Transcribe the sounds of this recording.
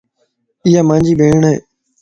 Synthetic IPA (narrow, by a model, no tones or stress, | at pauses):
ɪjaːmãːnd͡ʒiːbʱeːɳɦḛː